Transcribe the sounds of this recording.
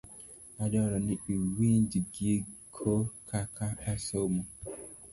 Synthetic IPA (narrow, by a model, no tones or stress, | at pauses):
adɔɾɔnɪiwin̩diɡiekʰokʰakʰaasɔmu